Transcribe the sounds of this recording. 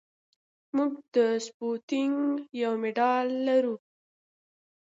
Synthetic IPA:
muɡd̪əsput̪ɪŋɡjawmeɖɑlːaɾu

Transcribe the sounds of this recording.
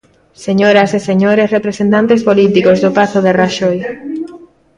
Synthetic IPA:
seɲoɾaseseɲoɾesrepɾesẽnt̪ant̪espolit̪ikozðopaθoðeraʃoj

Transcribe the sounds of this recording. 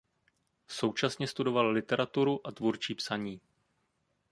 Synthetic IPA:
so̞wt͡ʃasɲɛst̪udo̞vallɪt̪ɛɾat̪uɾuʔat̪vuɾt͡ʃiːpsaɲiː

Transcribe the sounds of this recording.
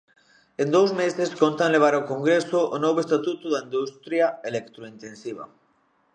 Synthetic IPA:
end̪owzmeseskont̪aŋleβ̞aɾawkoŋɡɾesoʔonoβoest̪at̪ut̪uðaind̪ust̪ɾjaelekt̪ɾoint̪ẽnsiβ̞a̰

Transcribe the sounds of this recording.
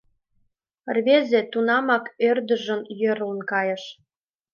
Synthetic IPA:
rβezĕt̪unɑmɑkørd̪ə̆ʒənjø̆ɾunkɑjə̆ʃ

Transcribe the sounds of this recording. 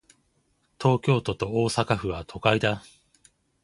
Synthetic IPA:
t̪ʰo̞ːkʲo̞ːt̪o̞t̪o̞o̞ːsakaɸɯ̟βat̪ʰo̞kaid̪a

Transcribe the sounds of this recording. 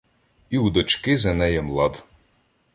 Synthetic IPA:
iwd̪ɔt͡ʃkɪzɐnɛjɛmlˠɑd̪

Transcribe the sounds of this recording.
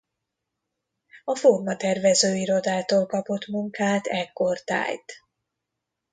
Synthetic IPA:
ɒformɒt̪ɛrvɛzøːiɾo̞d̪aːt̪oːlkɒpo̞t̪muŋkaːt̪ɛkːo̞rt̪a̰ːjt̪

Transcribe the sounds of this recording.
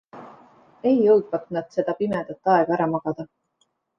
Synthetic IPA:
e̞jːɤwd̪̥vɑt̪nɑd̪̥se̞d̪̥ɑpimed̪̥ɑt̪ːˑɑeɡ̥ɑæɾɑmɑɡ̥ɑd̪̥ɑ

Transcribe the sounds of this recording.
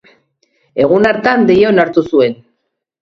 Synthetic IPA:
e̞ɣunaɾt̪and̪ejonaɾt̪usue̞n

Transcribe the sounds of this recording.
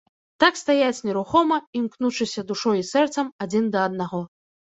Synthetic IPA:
t̪akst̪ajat͡sʲnʲɛɾuxɔmɐimknut͡ʂɨsʲɐd̪uʂɔjisɛrt̪sɐmad͡zʲind̪ɐːd̪naɣɔ

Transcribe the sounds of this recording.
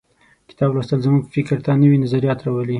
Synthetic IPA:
kɪ̥t̪ɑbɾast̪əlzəmuɡfɪkɾt̪anəwinazaɾijɑt̪ɾɑwəli

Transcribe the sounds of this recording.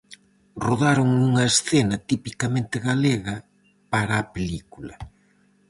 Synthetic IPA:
roðaɾoŋuŋɐesθenɐt̪ipikamẽnt̪ɪɣaleɣɐ | paɾɐːpelikulɐ

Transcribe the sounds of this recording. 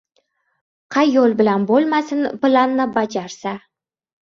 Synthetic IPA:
qʰɑjːolˠbɪlanbolˠmasɪnplˠanːɪbad͡ʒaɾsa

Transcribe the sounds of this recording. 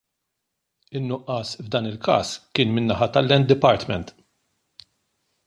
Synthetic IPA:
ɪnːʊʔɐsvd̪ɐːnɪlkɐ̰ːskɪːnmɪnːɐħɐt̪ɐlːɛnt̪d̪ɪpɐɾt̪mɛnt̪

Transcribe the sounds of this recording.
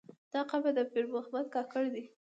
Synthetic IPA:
d̪̥ɑqabad̪əpeɾmoxmad̪̚kɑkəɽd̪i

